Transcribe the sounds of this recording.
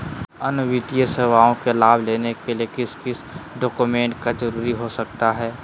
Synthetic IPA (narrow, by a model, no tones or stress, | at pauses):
ɐnʋɪd̪ijəseːʋaːõkelaːbʱleːnekeliekɪskɪsɖɔːkumẽːɳʈkazəɾuːɾiɦosɐk̚t̪aɦɛː